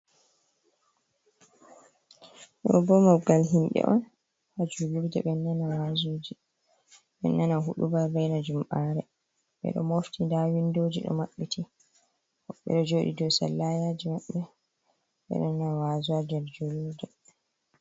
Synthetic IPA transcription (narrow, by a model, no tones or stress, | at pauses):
ɗɔ̰bɔmaɡalɦinɗɛ̰ʔɔn | had͡ʒuluɾdɛɓɛnːanawazod͡ʒi | ɓɛ̰nːanaɦuɗubaːɛjnad͡ʒumɓaːɾɛ | ɓɛ̰ɗɔmoftʰindawindoːd͡ʒiɗɔ̰maɓːitʰi | hɔɓːɛ̰ɗɔd͡ʒoɗḭdɔsalːajaːd͡ʒimaɓːɛ | ɓɛ̰ɗɔnːawazuad͡ʒɛɾd͡ʒuluɾdɛ